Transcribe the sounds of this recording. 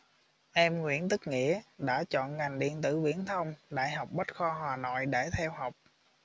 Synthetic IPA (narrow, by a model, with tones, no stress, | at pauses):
ʔɛ˧mŋwḭ˧˥ənt̪ɨ˦˥k̚ŋḭ˧˨˥əɗa̰ː˧˥t͡ɕɔ̰˧˨nŋa˨˩jŋ̟ɗḭ˧˨ənt̪ɨ̰˧˩vḭ˧˥ənt̪ʰə˧wŋ͡mɗa̰ː˧˨jɦa˨˩wk͡p̚ɓə˦˥t̚xɔ˧ɦwaː˨˩nɔ̰˧˨jɗe˧˩t̪ʰɛ˧wɦa˨˩wk͡p̚